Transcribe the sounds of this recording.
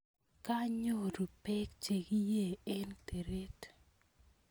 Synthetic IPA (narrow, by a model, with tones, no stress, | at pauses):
ka˦ɲo˦˨ɾu˨pɛ˦k̚t͡ʃe˨ɡi˦je˦˨ɛ˦nte˨ɾe˦t